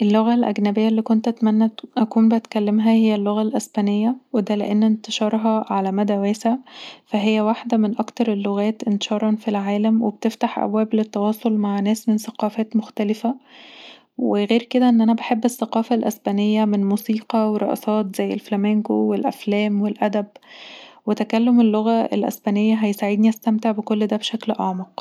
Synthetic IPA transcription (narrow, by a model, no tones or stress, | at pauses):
ʔelːoɣælʔæ̰ɡnæbejːælːiːkont̪ʔæt̪mænːæʔækuːmbeʔæt̪kælːemɦæhejːælːoɣælʔæsbæːnejːæwed̪ælḛʔenːent̪e̥ʃɑːɾˤɦɑʕalæmæd̪æwæːsæfæɦejːæwaħd̪æmenʔɑkt̪ɑɾˤelːoɣæːt̪ʔent̪e̥ʃɑːɾˤɑnfilʕaːlæmwebt̪eft̪aħʔæ̰bwæːblet̪ːɑwɑːsˤolmaʕnæːsmensæqɑːfæːt̪moxt̪ælɪfæ | weɣeːɾked̪æʔenːʔænæbeħebːesːæqɑːfælʔæsbænejːæmenmuːsiːqɑweɾˤːɑʔɑsˤɑːt̪zæjːelflæmeŋɡowelʔæ̰flæːmwelʔæd̪æb | wet̪ækælːomelːoɣæḛlʔæ̰sbæːnejːæɦæjsaʕed̪niʔæst̪æmt̪eʕbekolːd̪æːbʃæklʔɑʕmɑq